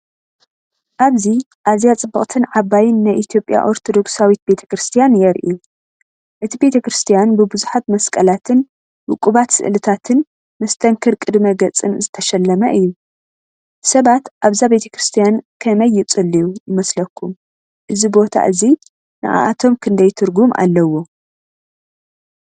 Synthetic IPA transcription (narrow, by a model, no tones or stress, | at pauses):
ʔaβzi | ʔazijat͡sʼɨbːɐχʼt̪ʰɨnʕaβajɪnːajʔit̪ʰjo̞pʼja̰ʔo̞ɾt̪ʰo̞d̪o̞ksawit̪̚be̞t̪ʰɐ̥kɾɨst̪ʰijanjɛɾʔḭu | ʔɨt̪ʰibe̞t̪ʰɐkɾɨst̪ʰijanbɨbɨzuħat̪mɐskʼɐlat̪ʰɨn | wʊkʼːuβat̪sɨ̰ʔlɨt̪ʰat̪ʰɨn | mɐst̪ʰɐŋkʰɨɾkʼɨd̪mɐɡɐt͡sʼɨnzɨt̪ʰɐʃɐlːɐmɐʔɨjːu | sɐβat̪ʔaβzabe̞t̪ʰɐkɾɨst̪ʰijankʰɐmɐjːɪt͡sʼɨlːijujɪmɐslɐkʰːum | ʔɨzibo̞t̪ʰa̰ʔɨzi | nɨ̰ʔa̰ʔat̪ʰo̞mkʰɨnd̪ɐjt̪ʰɨɾɡumʔa̰lːɐwo̞